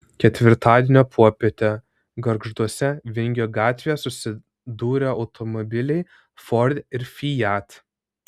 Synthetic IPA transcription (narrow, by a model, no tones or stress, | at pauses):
kʲɛt̪ʲʋʲɪɾt̪ɑːd̪ʲiɛnʲoːpʰuɔpʲeːt̪ʲɛ | ɡɐɾɡʒd̪uɔsʲɛʋʲɪŋʲɡʲjoːɡɑːt̪ʲʋʲeːjɛsʊsʲɪ | d̪uːɾʲɛɒʊt̪ʰɔmɔbʲɪlʲɛɪ | fɔɾʲd̪ʲɪɾfʲijæt̪